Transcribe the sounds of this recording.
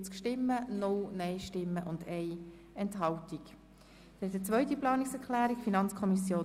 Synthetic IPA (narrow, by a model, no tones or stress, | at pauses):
t͡skʃtɪmːənʊlnɛɪʃtɪmːəʔʊndɛɪ | ɛnthɑltik | d̥ɛtət͡sʋœʏt̬iplɑːniksɛʁklæːɾikfinɑnt͡skʰɔmisjoː